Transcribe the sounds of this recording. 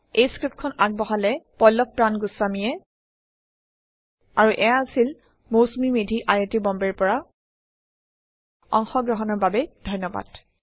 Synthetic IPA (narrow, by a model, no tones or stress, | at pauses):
ejskɹip̚t̚kʰɔnak̚bɔɦalɛpɔjlɔk̚pɹanɡusːamijɛ | aɹuʔɛjaːsil | mowsmimedʱiʔajetibɔmbɛɹpɔɹa | ɔ̰ŋxɔɡɹɔɦɔnɔɹbabɛd̥ʱɔjnːɔba̰d̥